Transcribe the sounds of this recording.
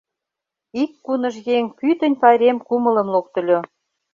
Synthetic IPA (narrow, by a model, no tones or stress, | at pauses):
ikːunə̆ʃjeŋpyt̪ə̆nʲpɑjɾemkumə̆lə̆mlok̚t̪ə̆lʲo